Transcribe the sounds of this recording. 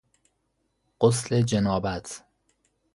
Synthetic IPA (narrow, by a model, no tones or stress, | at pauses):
ɢ̥osled͡ʒenɒːbæt̪ʰ